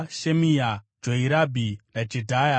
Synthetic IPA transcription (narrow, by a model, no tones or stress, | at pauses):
ʃemija | d͡ʒoiɾabʱinad͡ʒedʱaja